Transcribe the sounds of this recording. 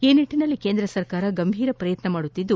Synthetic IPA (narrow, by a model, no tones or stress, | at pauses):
eːniʈːinɐlːikeːnd̪ɾɐsɐɾkaːɾɐɡɐmbʱiːɾɐpɾɐjɐt̪nɐmaːɽut̪ːid̪ːu